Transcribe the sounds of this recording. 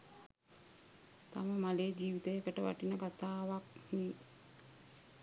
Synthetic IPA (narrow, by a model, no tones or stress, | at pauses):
t̪a̰məmaleːd͡ʒiːʋit̪ejəkəʈəʋa̰ʈinəkat̪aːʋakni